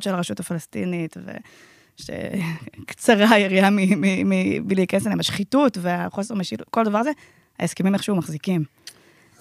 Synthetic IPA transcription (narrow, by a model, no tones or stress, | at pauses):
tʃelaʁeʃutafalastḭnitvḛ | ʃḛkt͡saʁaiʁiamimimiblikaneselemaʃχitutveaχo̞seʁmeʃilko̞ld̪avaʁze | ha̰jaskimimeχʃumaχzikim